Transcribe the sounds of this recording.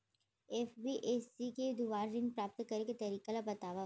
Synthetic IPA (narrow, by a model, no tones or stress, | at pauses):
eːfbiʔessiked̪uʋaːɾːɪnpɾaːp̚t̪kɐɾeket̪ɐɾiːkalabɐt̪aːʋa